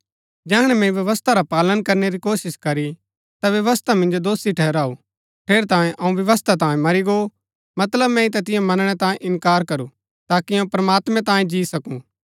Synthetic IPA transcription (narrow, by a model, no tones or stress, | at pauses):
d͡ʒɛːɦɽ̃ɛmɛ̃ĩʋjɐʋəst̪ʰaɾapaːlənkɐɾneɾikoːsɪskɐɾi | t̪aʋjɐʋəst̪ʰamɪ̃nd͡ʒod̪oːsiʈʰɛːɾaːu | pʰeːɾt̪ãːjẽʔɐũʋjɐʋəst̪ʰat̪̬ãːjẽmɐɾiɡo | mɐt̪ləbmɛ̃it̪̬ɐt̪ɪjãmɐnɽ̃ɛt̪ãːẽʔɪnkaːɾkɐɾu | t̪aːkiɐ̃ũpɾɐmaːt̪mɛ̃t̪ãːjẽd͡ʒiːsɐkũ